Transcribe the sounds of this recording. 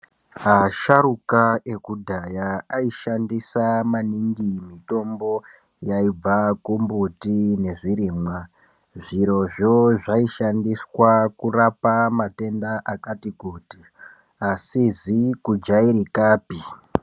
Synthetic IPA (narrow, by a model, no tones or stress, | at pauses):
ɦaʃaɾukae̞kudʱajaaiʃandisamaniŋɡimito̞mbo̞ | jaib͡vakumbutine̞ʐiɾiːmwa | ʐiɾo̞ʐoʐaiʃandiswakurapamate̞ndaʔakatikuːti | asizikud͡ʒaiɾikaːpi